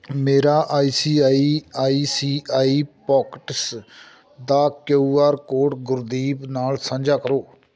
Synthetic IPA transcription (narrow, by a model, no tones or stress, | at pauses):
meːɾaːʔaːiːsiːaːiːaːiːsiːaːiːpɔːkʈs | d̪aːkeuaːɾkoːʈɡʊɾd̪iːbnaːlsə̃nd͡ʒaːkəɾoː